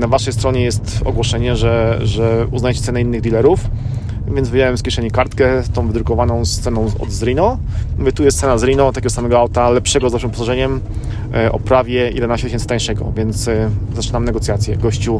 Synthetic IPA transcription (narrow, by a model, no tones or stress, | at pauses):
navaʂɛjst̪ɾɔɲɛjɛst̪ɔ̰ɡwɔʂɛɲɛʐɛʐɛuznajt͡ɕɛt̪sɛnɛinːɘɣd̪ʲilɛɾuf | vʲjɛnd̪zvɘd͡ʑawɛmskʲɛʂɛɲikaɾt̪kɛt̪ɔ̃w̃vɘd̪ɾukɔvanɔ̃w̃st̪sɛnɔ̃ɔ̰d̪zɾinɔmɘt̪ujɛst̪sɛnazɾinɔt̪akʲɛɡɔsamɛɡɔawt̪alɛpʂɛɡɔzvaʂɨmpɔ̥saʐɛɲɛm | ʔɔ̰pɾavʲjɛjʔɛ̰d̪ɛnaɕt͡ɕɛt̪ɪɕɛnt̪ãj̃ʂɛɡɔ̰vʲjɛnt̪szat͡ʂɘnamnɛɡɔt̪ʲjat̪sʲjɛɡɔɕt͡ɕu